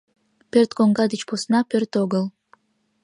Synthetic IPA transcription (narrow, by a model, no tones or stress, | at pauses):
pʲert̪koŋɡad̪it͡ʃposɨnɑpʲert̪oɡəlˠ